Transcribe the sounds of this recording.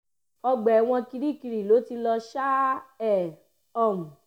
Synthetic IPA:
ɔ˧ɡ͡bɛ˨w̃ɔ̃˧ki˧ɾi˦˨ki˧ɾi˨lo˨˦ti˧lɔ˧ʃa˦ɛ˨ | ɔ˦˨mũ˨

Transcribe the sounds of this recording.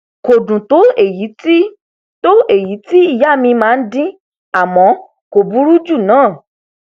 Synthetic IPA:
ko˨dũ˨to˨˦e˦˨ji˨˦ti˦ | to˦e˦˨ji˨˦ti˦i˦˨ja˦˨mĩ˧mãː˦˧n̩˦dĩ˦ | a˦˨mɔ̃˨˦ | ko˨bu˦ɾu˦d͡ʒu˦˨nãː˨˦˨

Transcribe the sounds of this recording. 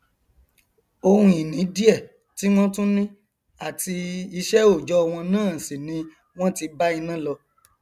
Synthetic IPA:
o˧hũ˧˦i˨nĩ˨˦di˦ɛ˦˨ | ti˦w̃ɔ̃˦tũ˦nĩ˦ | a˦˨ti˧i˧ʃɛ˦o˦˨d͡ʒɔ˨˦ɔ˧w̃ɔ̃˧nãː˦˨si˨nĩ˨˦ | w̃ɔ̃˦ti˧ba˦i˧nã˦˨lɔ˧

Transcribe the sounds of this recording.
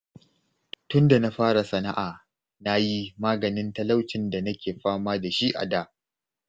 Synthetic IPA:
tʊ˦nda˨na˦ɸaː˦ɽa˨sɐ˨na˦ʔaː˨ | na˦ji˦maː˦ɡɐ˨nɪ˦ntɐ˦la˦wt͡ʃɪ˨nda˨nɐ˦kʲeː˨ɸaː˦maː˦da˨ʃi˦ʔa̰˨daː˦˨ʔ

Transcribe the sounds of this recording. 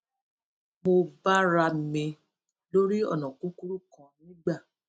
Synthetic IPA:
mo˧ba˦ɾa˧mẽ˧ | lo˦ɾi˦ɔ̰˦˨nɔ̃˨kũ˨˦ku˦ɾu˦kã˨nĩ˦ɡ͡ba˦˨

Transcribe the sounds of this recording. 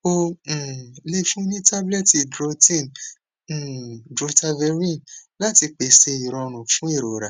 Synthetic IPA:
õ˦˧˨ | le˦fũ˦nĩ˦ta˦blɛ˦˨ti˨˧dɾo˧tĩ˦˨ñ̩˨ | dɾo˧ta˧vɛ˧ɾĩ˦˨nla˦ti˧k͡pe˨se˧i˨ɾɔ̃˧ɾ̃ũ˨fũ˨˦i˦˨ɾo˨ɾa˨

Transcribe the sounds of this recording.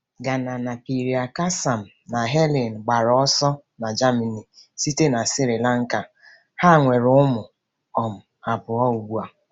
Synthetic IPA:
ɡa˨na˨na˨pi˨ɾi˨a˨ka˦sa˨m̩˨na˨ɦe˦li˨n̩˨ɡ͡ba˨ɾɔ˨ɔ˦sɔ˦ | na˨d͡ʒa˦mi˨ni˨si˦te˦na˨sɪ˦ɾɪ˨la˦ŋ̩˦ka˨ | ha˦˨ŋʷe˨ɾʊ˦ʊ˦mʊ˨ | ɔ˨m̩˨ | a˨pʊ˨ɔ˦u˨ɡ͡bu˦a˨

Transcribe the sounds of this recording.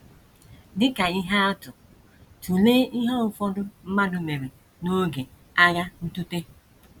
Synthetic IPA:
dɪ˦ka˨i˦ɦa˦a˦tʊ˨ | tu˨leː˦i˦ɦa˦ʊ˨fɔ˦dʊ˦m̩˦ma˦dʊ˦me˨ɾe˨ | no˦ɡe˨ | a˦ja˦n̩˦tu˦te˦

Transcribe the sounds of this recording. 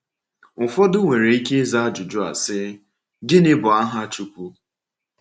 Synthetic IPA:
fɔ˦dʊ˦ŋʷe˨ɾe˨i˦ke˦za˦a˦d͡ʒʊ˨d͡ʒʊ˦a̰˨sɪ˦ | dɪ˦nɪ˦bʊ˨a˦ɦa˦t͡ʃu˦kʷu˦

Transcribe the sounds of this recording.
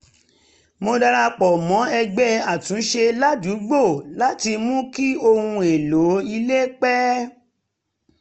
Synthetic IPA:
mo˧da˧ɾa˧k͡pɔ˨mɔ̃˨˦ɛ˧ɡ͡bɛ˦a˨tũ˨˦ʃe˧la˦du˨˦ɡ͡bo˦˨la˦ti˧mũ˦ki˦o˧hũ˧e˨lo˨˦i˧le˦k͡pɛ˦

